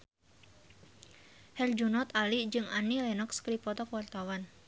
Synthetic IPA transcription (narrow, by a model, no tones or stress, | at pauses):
hɛld͡ʒunɔt̪alid͡ʒɨŋa̰nilɛnɔkskədipɔt̪ɔkwart̪awan